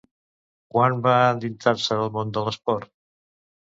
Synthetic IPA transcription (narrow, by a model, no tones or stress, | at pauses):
kwanbaəd̪int̪ʰaɾsəəlˠmond̪ələspɔɾt̪